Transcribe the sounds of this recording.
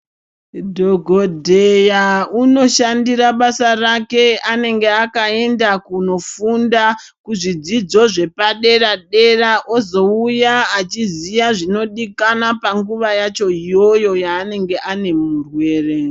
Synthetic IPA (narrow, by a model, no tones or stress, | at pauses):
dʱo̞ɡʱodʱejauno̞ʃandiɾaɓasarake̞ane̞ŋɡe̞akae̞ndakuno̞fundakuʐid͡zid͡zo̞ʐe̞paɗe̞raɗe̞raʔo̞zo̞ujaat͡ʃizijaʐino̞ɗikanapaŋɡuʋajat͡ʃo̞ijo̞jo̞jaːne̞ŋɡe̞ʔane̞murwe̞ːre